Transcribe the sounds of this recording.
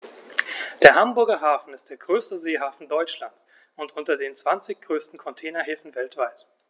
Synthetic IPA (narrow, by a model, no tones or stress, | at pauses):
d̥eːɐɦambʊɐɡɐɦaːfn̩ɪst̚d̥eːɐɡʁøːstəzeːɦaːfn̩dɔʏt͡ʃlant͡s | ʊntʔʊntɐdeːnt͡sv̥ant͡sɪçɡ̥ʁøːstn̩kʰɔntʰɛːnɐɦeːfn̩vɛltv̥aɪt